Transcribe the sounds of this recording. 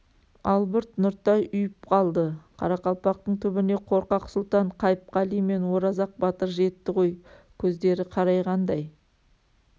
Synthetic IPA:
ɑlˠbʏɾt̪nʊɾt̪ɑjʔʏjɪp̚qʰɑlˠd̪əqʰɑ̰ɾɑqɑlˠpɑq̚t̪əɴt̪ʰʏbɪne̞qʰo̞ɾqɑqsʊlˠt̪ɑɴqʰɑjp̚qɑlˠijme̞nwo̞ɾɑzɑq̚bɑt̪əɾʒe̞t̪ːɪʁo̞j | kʲʰɵzd̪e̞ɾɪqʰɑɾɑjʁɑnd̪ɑj

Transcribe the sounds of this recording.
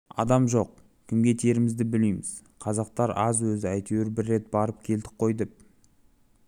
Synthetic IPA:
ɑ̰d̪ɑmʒo̞q̚ | kʲʰɪmɡʲe̞t̪ʰe̞ɾɪmɪzd̪ɪbɪlejmɪz̥ | qʰɑzɑq̚t̪ɑɾɑ̰zwɵzɪæjt̪ʰewɪɾbɪrːe̞t̪̚bɑɾəp̚kʲʰe̞ld̪ɪ̥k̚qʰo̞jd̪ɪp̚

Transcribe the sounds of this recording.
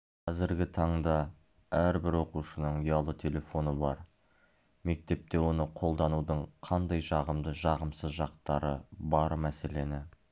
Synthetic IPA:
qʰɑzɪɾɡʲɪt̪ʰɑɴd̪ɑ | æɾbɪɾwo̞quʃənəɴʊjɑlˠət̪ʰe̞lʲe̞fo̞nəbɑ̰ɾ | me̞k̚t̪e̞p̚t̪e̞wo̞nəqʰo̞lˠd̪ɑnud̪əɴqʰɑnd̪ɑjʒɑʁəmd̪əʒɑʁəmsəzʒɑqt̪ɑɾəbɑɾmæse̞le̞nɪ

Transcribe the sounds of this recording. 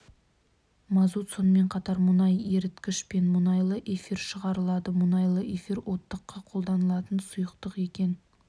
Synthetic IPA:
mɑzut̪so̞nəme̞ɴqʰɑt̪ɑɾmʊnɑje̞ɾɪt̪kʲɪʃpe̞nmʊnɑjlˠəʔe̞fiɾʃəʁɑɾəlˠɑd̪əmʊnɑjlˠəʔefiɾwʔo̞t̪ːəqːɑqʰolˠd̪ɑnəlˠɑt̪ənsʊjəqt̪əqe̞kʲe̞n

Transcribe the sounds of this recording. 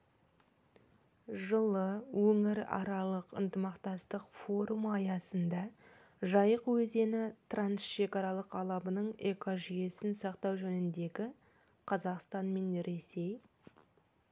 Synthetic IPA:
ʒəlˠəwɵŋɪɾɑ̰ɾɑlˠəqə̰nt̪əmɑqt̪ɑst̪əqfo̞ɾumɑjɑsənd̪ɑ | ʒɑjəqwɵze̞nɪt̪ʰransʃe̞kɑɾɑlˠəqɑlˠɑbənəɴekʰoʒije̞sɪnsɑqt̪ɑwʒɵnɪnd̪e̞ɡʲɪ | qʰɑzɑqst̪ɑnme̞nɾe̞se̞j

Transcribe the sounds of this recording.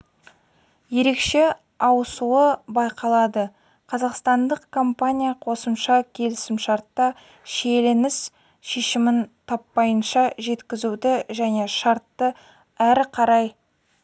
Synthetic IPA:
je̞ɾe̞kʃe̞ | ɑwəsuəbɑjqʰɑlˠɑd̪ə | qʰɑzɑqst̪ɑnd̪əqkʰo̞mpanʲijaqʰo̞səmʃɑkʲʰe̞lɪsɪmʃɑɾt̪ːɑ | ʃelɪnɪs | ʃeʃɪmɪnt̪ʰɑpːɑjənʃɑʒe̞t̪kʲɪzud̪ɪʒæne̞ʃɑɾt̪ːə | æɾqʰɑɾɑj

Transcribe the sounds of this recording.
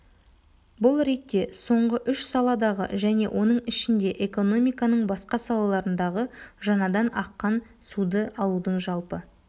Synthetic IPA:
bʊlˠɾe̞t̪ːe̞so̞ɴʁəʔʏʃsɑlˠɑd̪ɑʁə̰ʒæne̞̰wʔo̞nəɴɪʃɪnd̪e̞ʔeko̞no̞mijkɑnəɴbɑsqɑsɑlˠɑlˠɑɾənd̪ɑʁəʒɑnɑd̪ɑnɑqːɑn | sud̪əɑlˠud̪əɴʒɑlˠpə

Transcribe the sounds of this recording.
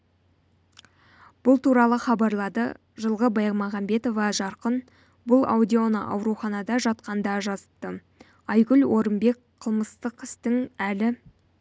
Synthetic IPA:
b̥ʊlˠt̪uɾɑlˠəχɑbɑɾlˠɑd̪ə̰ | ʒəlˠʁəbɑjmɑʁɑmbe̞t̪o̞vɑʒɑɾqən | bʊlˠa̰wd̪ʲio̞nə̰ʔɑ̰wɾuχɑnɑd̪ɑʒɑt̪qɑnd̪ɑʒɑzəp̚t̪ːə | ɑjɡʲʏlwo̞ɾəmbe̞kqʰəlˠməst̪əqɪst̪ɪŋælɪ

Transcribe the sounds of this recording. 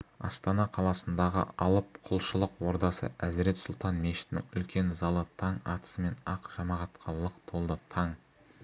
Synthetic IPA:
ɑ̰st̪ɑnɑqʰɑlˠɑsənd̪ɑʁə̰ʔɑlˠəpqʰʊlˠʃəlˠəqwo̞ɾd̪ɑsə̰ʔæzɾe̞t̪sʊlˠt̪ɑnmeʃɪ̥t̪nɪ̰ŋʏlkʲe̞nzɑlˠət̪ʰɑɴɑ̰t̪ə̥səme̞nɑqʒ̥ɑmɑʁɑt̪qʰɑllˠːəqt̪ʰo̞lˠd̪ət̪ʰɑɴ

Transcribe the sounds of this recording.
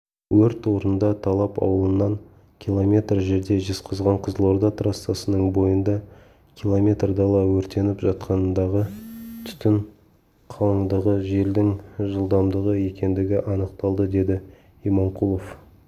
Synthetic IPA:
wɵɾt̪o̞ɾənd̪ɑt̪ʰɑlˠɑpɑ̰wəlˠənːɑŋ | kʲʰilˠo̞mʲe̞t̪rʒe̞ɾd̪e̞ʒesqʰəzʁɑɴqʰəzəlˠo̞ɾd̪ɑt̪rasːɑsənəɴbo̞jənd̪ɑ | kʲʰilˠo̞mʲe̞t̪rd̪ɑlˠɑwɵɾt̪e̞nɪpʒɑt̪̚qʰɑnənd̪ɑʁət̪ʰʏ̥t̪ɪɴ | qʰɑlˠəɴd̪əʁəʒe̞ld̪ɪŋʒəlˠd̪ɑmd̪əʁəje̞kʲe̞nd̪ɪɡʲɪʔɑnəq̚t̪ɑlˠd̪əd̪e̞d̪ɪ | imoɴqʰulˠof

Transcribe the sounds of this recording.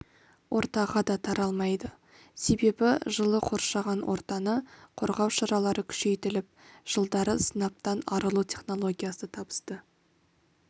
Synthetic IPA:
wʔo̞̰ɾt̪ɑʁɑd̪ɑt̪ʰɑɾɑlˠmɑjd̪ə | se̞be̞bɪʒəlˠəqʰo̞ɾʃɑʁɑnwʔo̞̰ɾt̪ɑnəqʰo̞̰ɾʁɑwʃɑɾɑlˠɑɾəkʲʰʏ̥ʃe̞jt̪ɪlɪp̚ʒ̥əlˠd̪ɑɾəsənɑp̚t̪ɑnɑɾəlˠutʲʰe̞χno̞lˠo̞ɡʲijasət̪ʰɑbə̥st̪ə

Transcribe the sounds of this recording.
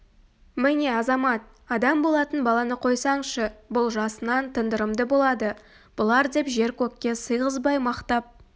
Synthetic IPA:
mɪne̞ɑzɑmɑt̪̚ | ɑd̪ɑmbo̞lˠɑt̪ənbɑlˠɑnəqʰo̞jsɑɴʃəbʊlˠʒɑsənɑnt̪ʰənd̪əɾəmd̪əbo̞lˠɑd̪ə | b̥ʊlˠɑɾd̪e̞pʒe̞ɾkʲʰɵkːʲe̞səjʁəzbɑjmɑqt̪ɑp̚

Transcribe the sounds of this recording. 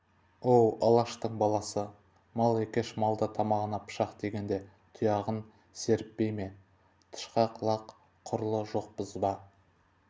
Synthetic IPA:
owɑlˠɑʃt̪əɴbɑlˠɑsə | mɑlˠe̞kʲeʃmɑlˠd̪ət̪ʰɑmɑʁənɑpʰə̥ʃɑqd̪e̞ɡʲe̞nd̪e | t̪ʰʊjɑʁən | se̞ɾɪpbe̞jme̞ | t̪ʰə̥ʃqɑqʰlˠɑqʰː | ʊɾəlˠəʒo̞q̚pəzbɑ

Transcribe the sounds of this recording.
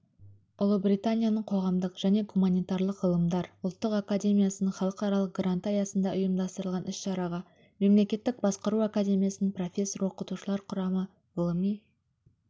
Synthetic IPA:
ʊlˠəbɾijt̪anʲijanəɴqʰo̞ʁɑmd̪əqʒ̥æne̞ɡumanʲijt̪aɾlˠəqʁəlˠəmd̪ɑɾʊlˠt̪ːəqakad̪ʲe̞mʲijasənəɴχɑlˠəqɑɾɑlˠəq̚ɡɾant̪ajɑsənd̪ɑʔʊjəmd̪ɑst̪əɾəlˠʁɑnʏsʃɑɾɑʁɑ | me̞mle̞kʲe̞t̪ːɪk̚bɑsqəɾuakad̪ʲe̞mijasɪpro̞fʲe̞sːo̞ɾwo̞qət̪uʃəlˠɑɾqʰʊɾɑmə | vlˠmi

